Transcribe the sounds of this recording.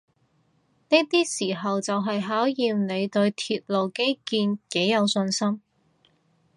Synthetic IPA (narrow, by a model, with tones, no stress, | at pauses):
ne˥t̪iː˥siː˨˩ɦɐ˨wt͡sɐ˨wɦɐ˨jɦaː˨˥wjiː˨mne˨˧jt̪ɵ˧ɥt̪ʰiː˧t̚lo˨wke˥jkiː˧nke˨˥jjɐ˨˧wsɵ˧nsɐ˥m